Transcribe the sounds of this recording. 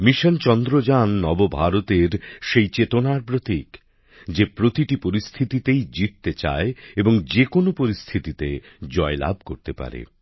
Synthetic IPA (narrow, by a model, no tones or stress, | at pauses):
miʃont͡ɕɔnd̪ɾod͡ʑanːɔbobʱaɾot̪eɾʃejt͡ɕet̪onaɾpɾot̪ik | d͡ʑepɾot̪iʈipoɾist̪ʰit̪it̪ejd͡ʑit̪ːet͡ɕa̰eeboŋd͡ʑekonopoɾist̪ʰit̪it̪ed͡ʑɔela̰b̚ʱkoɾt̪epa̰ɾḛ